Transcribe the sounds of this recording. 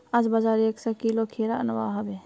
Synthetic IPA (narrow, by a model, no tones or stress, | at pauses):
ad͡ʒbad͡ʒaːɾeːksɔkiːlokʰeːɾanɐʋa̰ːɦɐbe